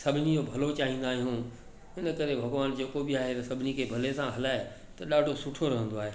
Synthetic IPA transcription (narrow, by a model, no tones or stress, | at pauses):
sɐbʱɪnid͡ʑoːbʱɐlot͡ɕaːɦĩːnd̪aːɦeɦũ | ɪnə̆kɐɾebʱɐɡʋaːnd͡ʑeːkobiaːɦet̪ɐsɐbʱɪnikʰeːbʱɐlesãɦɐlaːe | t̪ɐɗaːɖʱosʊʈʰoɾɐɦə̃nd̪oaːɦeː